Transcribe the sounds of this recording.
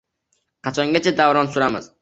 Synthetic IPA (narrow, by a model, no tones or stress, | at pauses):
qʰɑt͡ʃʰɒŋɡʲat͡ʃʰad̪avɾɒnsʊɾamɪ̰z̥